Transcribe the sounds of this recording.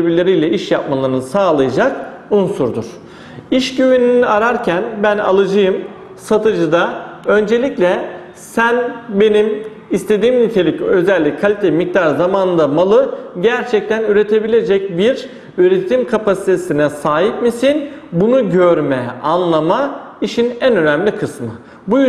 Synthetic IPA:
ebilʲeɾijlʲɛʔiʃjap̚malˠaɾɯnsaːlˠajad͡ʒak̚ | unsuɾd̪ṵɾ̥ | iʃɟyβyniniaɾaɾcʰænbæna̰lˠɯd͡ʒɯjɯm | sat̪ʰɯd͡ʒɯd̪aø̞nd͡ʒe̞lʲiclʲɛ | sænbe̞nim | ist̪ʰe̞d̪iːmnit̪ʰe̞lʲicø̞zɛlʲːickʰalʲit̪ʰeimic̚t̪ʰaɾzamanɯnd̪amalˠɯɟæɾt͡ʃʰɛc̚t̪ʰænyɾe̞t̪ʰe̞bilʲe̞d͡ʒɛc̚biɾ | yɾe̞t̪ʰimkʰapasi̥t̪ʰe̞sinɛsaːɦip̚misinbunuɟøɾmɛanlˠama | iʃinænø̞næmlʲikʰɯsmɯ | buj

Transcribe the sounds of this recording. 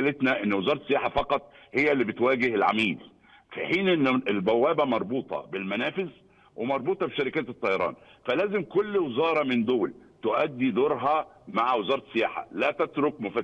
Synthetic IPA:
let̪næʔɪnːwɪzɑːɾˤɑsːɪjaːħafɑqɑt̪ˤhejːælːibɪt̪wæːɡɪhɪlʕa̰miːl | fiħiːnʔɪnːɪlbæwːæːbæmɑɾˤbuːt̪ˤɑ̰bɪlmænæːfɪz | wemɑɾˤbuːt̪ˤɑbeʃæɾɪkæːt̪et̪ˤːɑjɑɾˤɑ̰ːnfælæːzɪmkʊlːwezɑːɾˤɑmɪnd̪oːlt̪ʊʔæd̪ːid̪oɾˤɦɑmaʕwɪzɑːɾˤɑsːɪjaːħa̰læːt̪æt̪ɾʊkmʊfæ

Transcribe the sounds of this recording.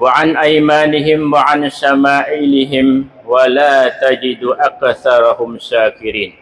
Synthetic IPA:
waʕanʔajmaːnɪɦɪmwaʕanʃamaːʔɪːlɪɦɪm | walaːt̪ad͡ʒɪd̪uʔakθɑɾˤɑhʊmʃaːkɪɾiːn

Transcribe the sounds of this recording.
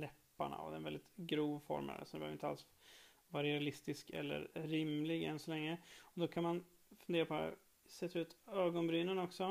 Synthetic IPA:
lɛpːa̰ɳa̰ɔ̰d̪ɛnvɛld̪ɪt̪ɡɾuːvfɔ̰ɾmə̰sɔd̪ɛbɛøːvɾɪnt̪a̰s | vaɾɛalɪst̪ɪskɛ̰lːə̰ɾɾɪmlɪɡɛ̰nsɔlɛŋːəɔd̪ɔkʰanman | fɵneːɾapʰɔɛ̰ | sɛt̪ʰːaʉ̟ːt̪øːɡɔnbɾyːnənɔksɔ

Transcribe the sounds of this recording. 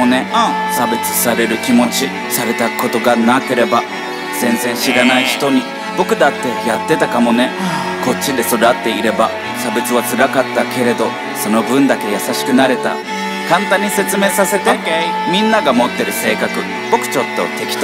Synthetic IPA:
one̞ | sabe̞t͡sɨ̥saɾe̞ɾɯ̟kʲimo̞t͡ɕi | saɾe̞t̪ako̞t̪o̞ɡanake̞ɾe̞ba | z̥ẽ̞ñd͡zẽ̞ɰ̃ɕiɾanaiçi̥t̪o̞ɲ̟i | bo̞kɯ̟d̪at̪ːe̞jat̪ːe̞t̪akamo̞ne̞ | ko̞t͡ɕːid̪e̞so̞ɾat̪ːe̞iɾe̞ba | sabe̞t͡sɨβat͡sɨɾakat̪ːake̞ɾe̞d̪o̞ | so̞no̞bɯ̟̃nd̪ake̞jasaɕi̥kɯ̟naɾe̞t̪a̰ | kãnt̪ãɲ̟ːise̞t͡sɨme̞ːsase̞t̪e | mʲĩnːaɡamo̞t̪ːe̞ɾɯ̟se̞ːkakɯ̟ | b̥o̞kɯ̟̥t͡ɕo̞t̪ːo̞̰t̪e̞kʲi̥t̪

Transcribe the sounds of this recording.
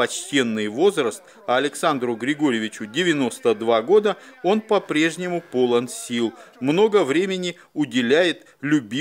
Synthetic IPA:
ɐt͡ɕtʲe̞nːɨjvo̞zrəst̪̚ | ɐːlʲɪksand̪ɾʊɡɾʲɪɡo̞ɾʲɪvʲɪt͡ɕʊdʲɪvʲɪno̞st̪əd̪vaɡo̞d̪əo̞npɐpɾʲe̞ʐnʲɪmʊpo̞lˠənsʲilˠmno̞ɡəvɾʲemʲɪnʲɪ | ʊdʲɪlʲæjɪt̪ | lʲʊbʲi

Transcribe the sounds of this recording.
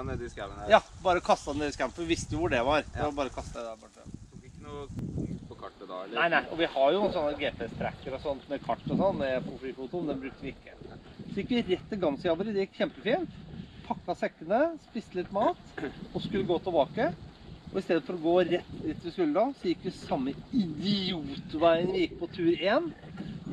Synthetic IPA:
ɛd̪ɪskæjɑːbɑːɾəɔkʰɑst̪ɑd̪ɛnd̪eːɾəskæmpɔʋɪʋɪst̪əjʊʋʊɖɛʋɑɾɛɔbɑːɾəkʰɑst̪əd̪ɛd̪æbɔʈːə̰ɪkːənuːpɔkʰɑʈːd̪ɑ̰næɪnæɪʔɔ̰ʋɪhɑɾjʊsɔnːəɡeːp̪ʰest̪ʰɾæ̰kːəɾɔsɔnːmɛkʰɑʈːɔsɔnːmɛpʰɔfliːfuːt̪ʊmnd̪ɛnbɾʉkt̪əʋɪɪkːəsɔjɪkːʋɪɾɛt̪ːɪlɡɑnsɪɑbəɾəd̪ɛjɪkːçɛmpəfiːnt̪pʰɑkːɑsɛkːənəspɪst̪əlɪt̪ːmɑːt̪ɔskʉlːəɡoːt̪ʰɪlbɑːkəʔɔɪst̪eːd̪əfɔɾɔɡoːɾɛt̪ːd̪ɪt̪ːʋɪskʉlːəd̪ɑsɔjɪkːʋɪsɑmːəɪd̪ɪuːt̪ʋæɪənɪjɪkːpʰɔt̪ʰʉːɾeːn

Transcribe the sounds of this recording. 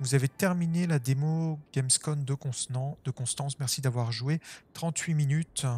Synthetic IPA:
vuzavet̪ɛʁminelad̪emoɡ̥ʲɛmskɔnd̪ə̃d̪̥əkɔ̃st̪ɑ̃smɛʁsid̪avwaʁʒuet̪χɑ̃t̪ɥiminyt̪

